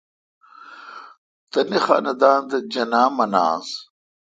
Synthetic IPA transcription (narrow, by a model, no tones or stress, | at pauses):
t̪ɐnixa̰ːnɐd̪aːnd̪ɐd͡ʑɐnaːmɐna̰ːz